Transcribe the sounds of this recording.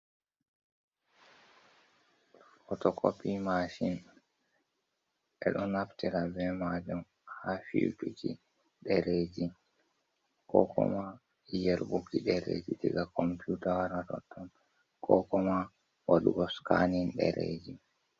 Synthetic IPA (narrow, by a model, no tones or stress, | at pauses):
fɔtɔkopimaʃin | ʔɛɗɔnaptiɾabɛmad͡ʒum | hafḭwpikḭ | ɗɛɾed͡ʒi | kɔkʰɔ̰ma | jɛlbukiɗɛɾḛd͡ʒitiɡakɔmpjutawaɾatɔ̰tːɔn | kɔkɔma | waɗuɡɔskaninɗɛ̰ɾḛd͡ʒi